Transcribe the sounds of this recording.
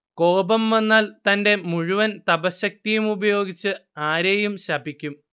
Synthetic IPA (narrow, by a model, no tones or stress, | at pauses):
ko̞ːbɐmʋenːaːlt̪ɐnde̞muɻuʋɐnt̪ɐbɐɕɐk̚t̪ijumubɐjo̞ːɡit͡ɕːɨaːɾejumɕɐbikʲːum